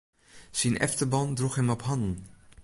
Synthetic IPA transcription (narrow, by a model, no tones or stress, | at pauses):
sinʔɛ̰ftəbɔndruχɦɛmɔpɦɑndn̩